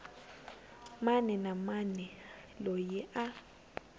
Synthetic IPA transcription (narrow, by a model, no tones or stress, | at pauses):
manɛnamanɛ | lɔjɛʔa